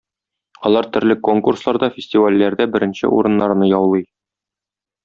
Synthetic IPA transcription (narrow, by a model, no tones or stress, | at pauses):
ɒlˠɑɾt̪ɵ̆ɾlɘkoŋkurslˠɑɾd̪ɑfʲɪsʲtʲɪvalʲːæɾd̪æbɘ̆ɾɘ̆nɕɘ̰ṵɾɤ̆nːɑɾnɤjɒwlˠɤj